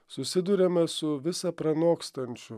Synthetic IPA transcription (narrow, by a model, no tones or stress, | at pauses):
sʊsʲɪd̪ʊɾʲɛmʲɛsʊʋʲɪsɐpɾɐnoːkst̪ɐnʲt͡ʃʲʊ